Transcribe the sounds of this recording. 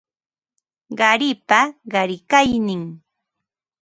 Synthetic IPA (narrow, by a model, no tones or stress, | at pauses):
ɢɑɾɪpaɢɑɾɪkajnɪŋ